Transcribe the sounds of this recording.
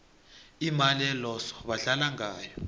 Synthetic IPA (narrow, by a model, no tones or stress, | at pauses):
imaliɛlɔsɔ̥βaɬalaŋaːjɔ